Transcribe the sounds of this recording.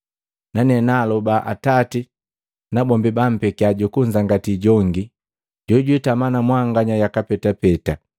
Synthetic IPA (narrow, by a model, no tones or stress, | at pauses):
nanɛnaːlɔbaʔa̰tati | nabɔmbibam̩pɛkiaɟukuɲd͡ʒaŋɡatiɟɔŋɡi | ɟɔɟwitamanamwaŋɡaɲajakapɛtapɛta